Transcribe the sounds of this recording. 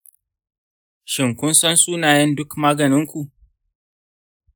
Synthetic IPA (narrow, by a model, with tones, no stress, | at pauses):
ʃɪ˨ŋkʷʊ˦nsɐ˦nsʼuː˦naː˨jɛ˦ndʊ˦kmaː˦ɡɐ˨nɪ˦ŋkʷu˨ʔ